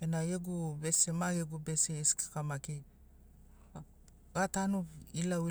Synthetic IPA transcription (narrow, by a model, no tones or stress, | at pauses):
enajeɡubesemaɡeɡubeseiski̥kamaki | ɡatanuilai